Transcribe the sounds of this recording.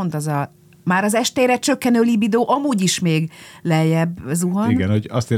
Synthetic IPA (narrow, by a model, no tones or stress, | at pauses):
nt̪ɒzɒ | maːɾɒzɛʃt̪eːɾɛt͡ʃø̞kːɛnøːlibid̪oːʔɒmuːɟiʃmeːɡlɛjɛbːɒzuɦɔniɡɛnhoɟɒ̰st̪e